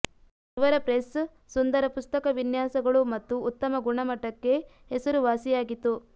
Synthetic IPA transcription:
iʋɐɾɐpɾes | sund̪ɐɾɐpust̪ɐkɐʋinjaːsɐɡɐɭumɐt̪ːuːt̪ːɐmɐɡuɳɐmɐʈːɐkːe̞ | ɦesɐɾuʋaːsijaːɡit̪ːu

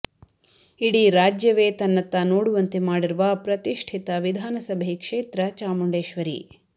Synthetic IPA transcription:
iɽiːɾaːd͡ʒjɐʋeːt̪ɐnːɐt̪ːɐnoːɽuʋɐnt̪emaːɽiɾuʋɐpɾɐt̪iʂʈʰit̪ɐʋid̪ʱaːnɐsɐbʱejkʂeːt̪ɾɐt͡ʃaːmuɳɖeːʃʋɐɾḭ

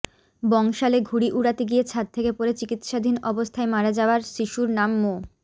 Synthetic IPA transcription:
bɔŋʃaleɡʱuɽiʔuɽat̪iɡiet͡ɕʰat̪̚t̪ʰekepoɾet͡ɕikit̪ʃad̪ʱinɔbost̪ʰaemaɾad͡ʑaoaɾʃiʃuɾnamːo

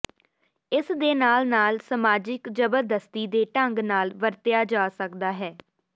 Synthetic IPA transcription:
ɪsd̪eːnaːlnaːlsəmaːd͡ʒɪkd͡ʒəbəɾd̪əst̪iːd̪eːʈəŋɡnaːlʋəɾt̪ɪjaːd͡ʒaːsəkd̪aːɦɛː

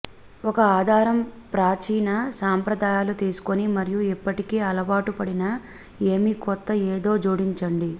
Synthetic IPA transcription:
ɔkɐaːd̪ʱaːɾɐmpɾaːt͡ʃiːnɐsaːmpɾɐd̪aːjaːlut̪iːsu̥konimɐɾijuipːɐʈikeːɐlɐʋaːʈupɐɽinɐ | e̞ːmikɔt̪ːɐeːd̪o̞ːd͡ʒuːɽiɲt͡ʃɐɳɖi

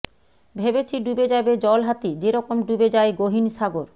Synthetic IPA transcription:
bʱebet͡ɕʰiɖubed͡ʑabed͡ʑɔlɦat̪id͡ʑeɾɔkomɖubed͡ʑaeɡoɦinʃaɡoɾ

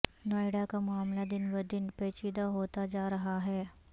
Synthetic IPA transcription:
nɔːɪɽakamʊaːmlad̪ɪnʋɐd̪ɪnpeːt͡ʃiːd̪aɦoːt̪ad͡ʒaːɾɐɦaɦɛː

